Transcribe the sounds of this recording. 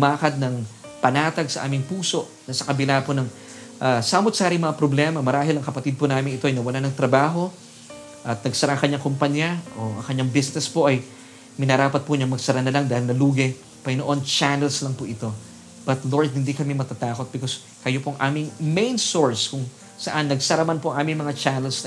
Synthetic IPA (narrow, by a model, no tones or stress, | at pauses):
ʊmaːkɐd̪̚nɐŋpɐnaːt̪ɐɡsɐʔa̰ːmɪŋpuːso̞ʔ | nɐsɐkɐbɪlaponɐŋ | ʔasaːmot̪saːɾɪŋmɐŋapɾoblɛːmɐmɐɾaːɦɪlɐŋkɐpɐt̪id̪̚pʊnaːmɪnɪt̪o̞ɐjnɐwɐlanɐŋt̪ɾɐbaːɦo̞ | ʔɐt̪̚nɐɡsɐɾaʔɐŋkɐɲaŋkompɐɲaʔo̞ɐ̰ŋkɐɲːaŋbɪsnɛspo̞ʔɐj | mɪnɐɾaːpɐt̪̚pʊɲɐŋmɐɡsɐɾanɐlaŋd̪aːhɪlnɐluːɡɛ | pɐɡɪnoʔo̞nt͡ʃanɛlslɐŋpʊʔɪt̪o̞ | b̥ɐt̪loɹd̪̚hɪnd̪ikɐmɛmɐt̪at̪aːko̞t̪̚bɪkos | kɐjo̞poɐŋʔaːmɪŋmejnsoɹskʊŋ | sɐʔanːɐɡsɐɾamanpoɐŋʔaːmɪŋmɐŋat͡ʃanɛlsnɐ